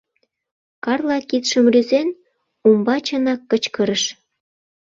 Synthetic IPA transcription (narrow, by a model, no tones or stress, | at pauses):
kɑrlɑkit̪ʃə̆mryzen | umbɑt͡ɕə̆nɑkːət͡ɕkəɾəʃ